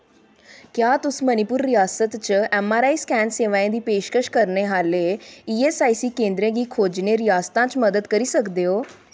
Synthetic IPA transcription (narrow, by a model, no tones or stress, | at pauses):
kjaːt̪ʊsmənɪpʊɾːɪjaːsət̪t͡ʃɛːmaːɾaːiskɛːnseːʋãːẽd̪iːpeːʃkəʃkəɾneːɦaːleːiːeːsaːiːsiːkẽːnd̪ɾẽːɡiːkʰoːd͡ʒneːɾɪjaːst̪ãːt͡ʃməd̪əd̪kəɾiːsəkd̪eːɦoː